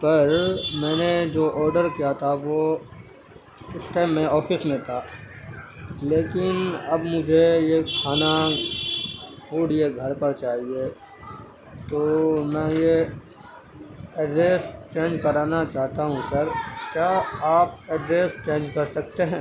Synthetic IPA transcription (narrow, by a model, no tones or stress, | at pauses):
pɐɾmɛ̃ːned͡ʒoːʔɔːɾɖəɾkijat̪ʰaʋo | ɪsʈɛːmːẽɔːfɪsmẽt̪ʰaː | leːkɪnɐbmʊd͡ʒʱejekʰaːna | ɡuːɽieɡʱɐɾpɐɾt͡ʃaːɦie | t̪oːmɛ̃je | ɛɖɾeːst͡ʃẽːnd͡ʒkɐɾaːnat͡ʃaːɦt̪aɦũsɐɾkjaːaːpɛɖɾeːst͡ʃẽːnd͡ʒkɐɾsɐk̚t̪eɦɛ̃ː